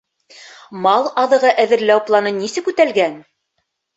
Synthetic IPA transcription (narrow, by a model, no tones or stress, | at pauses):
mɑlˠɑðɤ̆ʁɤʔæðɘ̆ɾlæwplˠɑnɤnisɘkʉt̪ælɡæn